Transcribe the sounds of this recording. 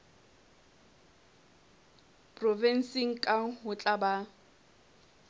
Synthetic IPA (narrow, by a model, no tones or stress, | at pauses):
pʼrɔvɛn̩siŋ̩kʼaɦʊt͡ɬʼaba